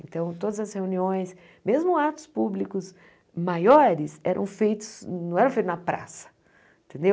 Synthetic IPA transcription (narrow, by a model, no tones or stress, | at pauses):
ẽnt̪ɐ̃w̃t̪od̪ɐzɐsheũniõj̃s | mezmʊat̪ʊ̥spublikʊz | majɔɾɪsɛɾʔɐ̰̃w̃fejt̪ʊ̥zɐ̃w̃ɛɾɐ̃fejt̪ʊznapɾa̰sɐ̥ | ẽt̪ẽnd̪ew